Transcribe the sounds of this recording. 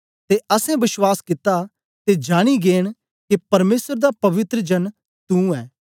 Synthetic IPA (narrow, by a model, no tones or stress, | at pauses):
t̪eʔɐsɛ̃bɪswaːskɪt̪a | t̪ed͡ʒaːɽ̃iɡeːɽ̃ | kepɐɾmeːsəɾd̪apɐʋɪt̪ɾəd͡ʒɐn | t̪ũɛː